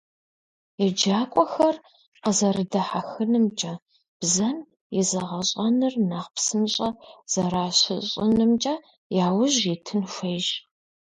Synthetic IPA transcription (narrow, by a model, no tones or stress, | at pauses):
jɛd͡ʒaːkʷʼɔxɐr | qəzɐrɨdɐħaxɨnɨmt͡ʃʼɐ | b̥zɐn | jɛzɐʁɐɕʼɐnɨrnaːχpsɨnɕʼɐz̥ɐɾaːɕɪ̰ɕʼɪ̰nɨmt͡ʃʼɐ | jaːwʊʑitʰɨnʃʷeːʒ